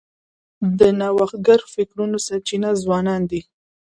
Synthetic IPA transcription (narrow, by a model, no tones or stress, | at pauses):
d̪ənawaxt̪̚ɡaɾfɪkɾunosaɾt͡ʃinazwɑnɑnd̪i